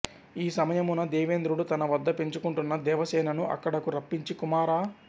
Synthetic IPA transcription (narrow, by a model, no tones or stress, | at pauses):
iːsɐmɐjɐmunɐd̪ɛːʋeːnd̪ɾuɽut̪ɐnɐʋɐd̪ːɐpe̞ɲt͡ʃukuɳʈunːɐd̪ɛːʋɐsɛːnɐnuʔɐ̰kːɐɽɐkuɾɐpːiɲt͡ʃikumaːɾaː